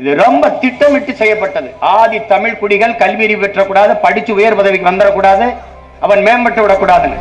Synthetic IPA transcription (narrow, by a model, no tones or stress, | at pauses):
ɪðɯɾɔmbɐt̪ɪʈːɐmɪʈːɯsɛjːɐpːɐʈːɐðɯʔaːðit̪ɐmɪɻkʊɽɪɣɐɭkɐlʋiːɾipɛʈːrɐkːuːɽaːðɐpɐɽɪt͡ʃːɯʊjɐɾpɐðɐʋɪkːɯʋɐnd̪ɯɾɐkːuːɽaːðɯ | ʔɐʋɐnmeːmbɐʈːɯʋɪɽɐkːuːɽaːðɐn̰